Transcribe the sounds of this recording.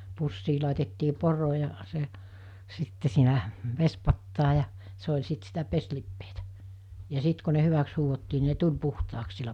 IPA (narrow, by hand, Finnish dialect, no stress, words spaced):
pusːiː lɑˑetetːiː poro jɑ se sitːe siːnæ ʋespɑtːɑː jɑ se olʲ sit sitæ peslipːeːtæ jɑ sit ko ne hyʋæks huːhotːiː ni ne tulʲ puhtɑːks silːæ